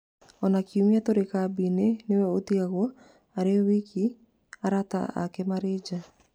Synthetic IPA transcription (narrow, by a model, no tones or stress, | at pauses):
ɔnakiumiatoɾekabinenewɛot̪iaɣɔ | aɾewiki | aɾata̰a̰kɛmaɾed͡ʒa